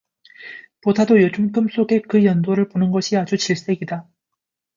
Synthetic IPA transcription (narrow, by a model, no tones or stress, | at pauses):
podʰadojot͡ɕʰumk͈ɯms͈oɡe̞kɯjʌndoɾɯɭponɯnɡʌɕʰiad͡ʑut͡ɕiɭs͈e̞ɡida